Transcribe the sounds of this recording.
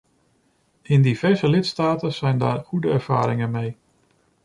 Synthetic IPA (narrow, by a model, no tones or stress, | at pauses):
ɪndiv̥ɛɹzəlɪtstaːtənz̥ɛjnda̰ːɹχudəɛɹv̥a̰ːɾɪŋənmej